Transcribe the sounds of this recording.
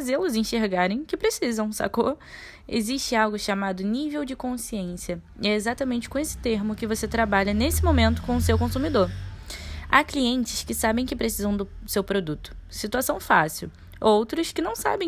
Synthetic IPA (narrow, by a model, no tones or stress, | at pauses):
azelʊzĩʃeɾɡaɾẽj̃kɪpɾesizɐ̃w̃sa̰ko | ḛziʃt͡ʃɪawɡʊʃamad̪ʊnivewd͡ʒɪkõsiẽsiɐ | ɛezat̪ɐmẽnt͡ʃɪ̥kõesɪ̥t̪eɾmʊkɪvoset̪ɾabaʎɐnesɪmomẽnt̪ʊ̥kõʊsewkõsumid̪oɾ | a̰kliẽnt͡ʃɪ̥skɪsabẽj̃kɪpɾesizɐ̃w̃d̪ʊsewpɾod̪ut̪ʊ̥sit̪uasɐ̃w̃fasiw | owt̪ɾʊskɪnɐ̃w̃sa̰bẽ